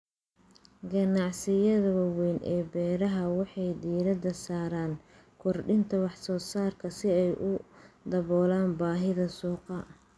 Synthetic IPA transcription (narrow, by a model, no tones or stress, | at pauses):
ɡɐnɑʕsɪjɐðɐwɑwɛːnʔɛːbɛːɾɐɦɐwɑħɑjd̪iːɾɐd̪ɐsaːɾaːn | kʰɔrɖɪnt̪ʰɐwɑħsɔːsaːrkʰɐsɪɛjʔʊd̪ɐβɔːlaːnbaːɦɪðɐsuːqɑ